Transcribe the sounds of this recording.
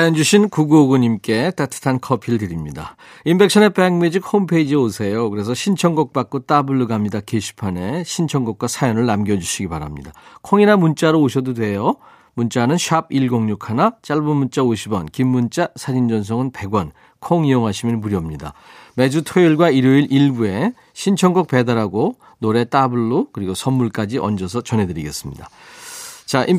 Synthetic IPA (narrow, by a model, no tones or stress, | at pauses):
sʰajʌnd͡ʑuɕʰinkuɡoɡuɲimk͈e̞t͈atʰɯ̥tʰankʰʌpʰiɾɭdɯɾimɲida̰ | imbe̞k̚ɕʰʌne̞peŋmed͡ʑik̚hompʰeid͡ʑiosʰe̞jokɯɾe̞sʰʌɕʰint͡ɕʰʌŋɡʌk̚p͈ak͈ot͈abuɭːɯɡamɲidakeɕʰi̥pʰane̞ɕʰint͡ɕʰʌŋɡʌkwasʰajʌnɯɭnamɡjʌd͡ʑuɕʰiɡipaɾamɲidakʰoŋinamunt͡ɕ͈aɾooɕʰʌdodwe̞jo | munt͡ɕ͈anɯnɕʰab̚iɭɡoŋɲukʰanat͡ɕ͈aɭbunmunt͡ɕ͈aoɕʰibʌnkimːunt͡ɕ͈asʰad͡ʑind͡ʑʌns̬ʰʌŋɯnpe̞ɡwʌn | kʰoŋijoŋɦaɕʰiminmuɾjʌmɲida̰me̞d͡ʑutʰeiɭɡwaiɾoiɾiɭbue̞ | ɕʰint͡ɕʰʌŋɡʌk̚p͈e̞daɾaɡo | noɾe̞t͈abuɭːokɯɾiɡosʰʌnːuɭk͈ad͡ʑiʔʌnd͡ʑʌs̬ʰʌt͡ɕʌnɦe̞dɯɾiɡe̞s͈ɯmɲida | t͡ɕaʔi